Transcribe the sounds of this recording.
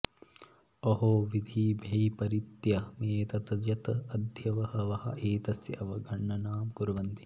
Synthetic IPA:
ɐɦoːʋid̪ʱiːbʱɐjpɐɾit̪jɐmeːt̪ɐt̪ɐjɐt̪ɐɐd̪ʱjɐʋɐhɐʋɐhɐʔeːt̪ɐsiʔɐʋɐɡɐɳːɐnaːmɡuɾɐʋɐnt̪i

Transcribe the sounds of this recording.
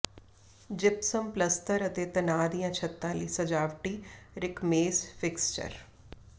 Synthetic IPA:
d͡ʒɪpsəmpləst̪əɾət̪eːt̪ɐnaːd̪ijãːt͡ʃʰət̪ːãːliːsəd͡ʒaːʋʈiːɾɪkmeːsfʰɪkst͡ʃə̰ɾ

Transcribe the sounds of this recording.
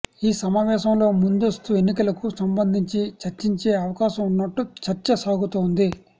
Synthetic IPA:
iːsɐmaːʋɛːʃɐmlo̞ːmund̪ost̪ue̞nːikɐlɐkusɐmbɐnd̪ʱiɲt͡ʃit͡ʃɐɾt͡ʃiɲt͡ʃe̞ːɐʋɐkaːʃɐmunːɐʈːut͡ʃɐɾt͡ʃɐsaːɡut̪oːnd̪i

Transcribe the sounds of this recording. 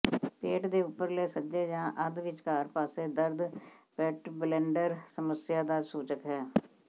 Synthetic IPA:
peːʈd̪eːʊpːəɾleːsəd͡ʒeːd͡ʒãːʔəd̪ʋɪt͡ʃkaːɾpaːseːd̪əɾd̪pɛʈblɛ̃ːɳɖəɾsəməsjaːd̪aːsuːt͡ʃəkɦɛː

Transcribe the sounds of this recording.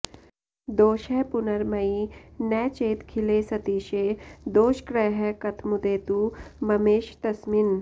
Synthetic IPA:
d̪oːʃɛːpʊnəɾmɐinɛːt͡ʃeːt̪kʰɪlesɐt̪iːʃeːd̪oːʃkɾɛɦɛkɐt̪ʰmud̪eːt̪umɐmeːʃt̪ɐsmin

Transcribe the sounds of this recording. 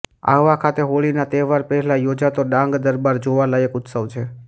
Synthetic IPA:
a̰ʋakʰat̪eɦoɭinat̪eʋaɾpɛɦɛlajod͡ʒat̪oɖãŋɡd̪əɾbaɾd͡ʒoʋalaekʊt̪səʋt͡ʃʰe

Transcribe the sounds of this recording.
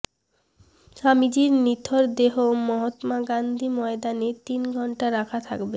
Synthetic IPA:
ʃamid͡ʑiɾnit̪ʰoɾd̪eɦomɔɦot̪maɡand̪ʱimɔed̪anet̪inɡʱɔɳʈaɾakʰat̪ʰa̰kbe

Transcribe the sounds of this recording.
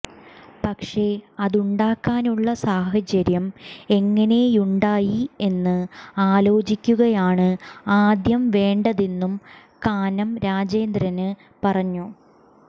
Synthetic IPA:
pɐkʂe̞ɐðuɳɖaːkːaːnuɭːɐsaːhɐt͡ɕɐɾjɐme̞ŋːɐne̞juɳɖaːjie̞nːɨaːlo̞ːt͡ɕikʲːuɣɐjaːɳɨaːd̪jɐmʋe̞ːɳɖɐðenːum | kaːnɐmɾaːd͡ʑe̞ːnd̪ɾɐnɨ | pɐrɐɲːu

